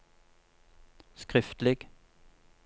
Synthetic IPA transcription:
skʁɪft̪lɪɡ

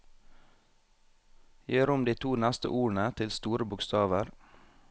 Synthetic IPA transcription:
jeːɾʊmd̪iːt̪ʰuːnæst̪ə̰ʔuːɳət̪ʰɪlst̪uːɾəbʊkst̪ɑːʋəɾ

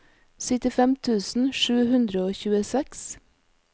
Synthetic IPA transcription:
sɪt̪ɪfɛmt̪ʰʉːsn̩ʃʉːhʉnd̪ɾəoːçʉːəsɛks

